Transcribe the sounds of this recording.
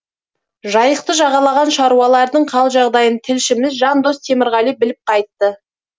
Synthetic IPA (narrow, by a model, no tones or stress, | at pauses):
ʒɑjəq̚t̪əʒɑʁɑlˠɑʁɑnʃɑɾuɑlˠɑɾd̪əɴqʰɑlˠʒɑʁd̪ɑjənt̪ʰɪlʃɪmɪzʒɑnd̪o̞st̪ʰe̞mɪɾʁɑlijbɪlɪp̚qʰɑjt̪ːə